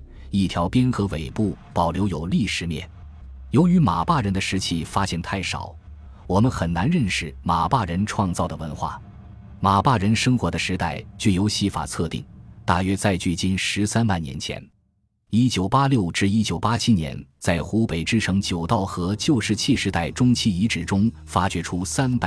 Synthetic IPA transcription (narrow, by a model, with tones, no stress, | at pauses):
i˥˩t̪ʰjɑ˧˥ʊpjɛ˥nxɤ˧˥we˨˩ɪpu˥˩pɑ˨˩ʊljo˧˥ʊjo˨˩ʊli˥˩ʂɻ̩˧˥mjɛ̰˥˩n | jo˧˥ʊy˧˥ma˨˩pa˥˩ɻə˧˥nd̪ə˧ʂɻ̩˧˥t͡ɕʰi˥˩fa˥ɕjɛ˥˧nt̪ʰa˥˩ɪʂɑ̰˨˩˦ʊ | wɔ˨˩mə˦nxə˨˩nna˧˥nɻə˥˧nʂɻ̩˨˩ma˨˩pa˥˩ɻə˧˥nʈ͡ʂʰwɑ˥˧ŋt͡sɑ˥˩ʊd̪ə˩wə˧˥nxwa̰˥˩ | ma˨˩pa˥˩ɻə˧˥nʂɤ˥ŋxwɔ˧˥d̪ə˧ʂɻ̩˧˥t̪a˥˩ɪt͡ɕy˥˩jo˧˥ʊɕi˧˥fa̰˨˩t͡sʰɤ˥˧t̪ḭ˥˩ŋt̪a̰˥˩ɥɛ˥t͡sa˥˧ɪt͡ɕy˥˩t͡ɕi˥˩nʂɻ̩˧˥sa˥npa˥˩njɛ̰˧˥nt͡ɕʰjɛ̰˧˥n | i˥t͡ɕjo˨˩ʊpa˥ljo˥˩ʊʈ͡ʂɻ̩˥˧i˥t͡ɕjo˨˩ʊpa˥t͡ɕʰi˥njɛ̰˧˥nt͡sa˥˩ɪxu˧˥pe˨˩ɪʈ͡ʂɻ̩˥ʈ͡ʂʰɤ˧˥ŋt͡ɕjo˨˩ʊt̪ɑ˥˩ʊxɤ˧˥t͡ɕjo˥˧ʊʂɻ̩˥˧t͡ɕʰi˥˩ʂɻ̩˧˥t̪a˥˩ɪʈ͡ʂʊ˥ŋt͡ɕʰi˥˩i˧˥ʈ͡ʂɻ̩˨˩ʈ͡ʂʊ˥ŋ | fa˥t͡ɕɥɛ˧˥ʈ͡ʂʰu˥sa˥npa˧˩